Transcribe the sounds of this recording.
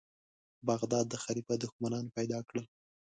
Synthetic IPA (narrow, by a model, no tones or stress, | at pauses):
baɣd̪ɑd̪ːəxaɾifad̪ʊxmanɑnpajd̪ɑkɽəl